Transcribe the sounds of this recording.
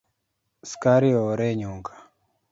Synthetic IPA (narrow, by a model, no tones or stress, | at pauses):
skaɾiɔɾɛɲuŋɡḁ